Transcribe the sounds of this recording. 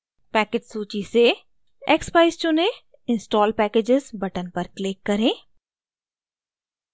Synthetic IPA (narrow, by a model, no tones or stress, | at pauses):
pɛːkeʈsuːt͡ʃise | ɛkspaɪst͡ʃʊnẽ | ɪ̃nsʈɔːlpɛːkeːd͡ʒɪzbɐʈənpɐɾklɪkːɐɾẽː